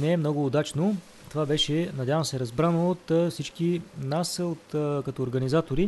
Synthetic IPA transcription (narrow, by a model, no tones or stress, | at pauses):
nɛːmnɔɡʊːd̪at͡ʃno | t̪ovabɛʃɛnɐdʲjavəmsɛɾɐzbɾanoːt̪fsit͡ʃkinasot̪kɐt̪ɔoɾɡɐnizat̪oɾi